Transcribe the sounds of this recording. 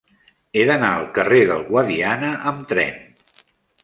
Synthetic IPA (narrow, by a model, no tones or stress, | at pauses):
eðənaəlˠkəreðəlˠɣwəðianəʔəmt̪ɾɛ̰n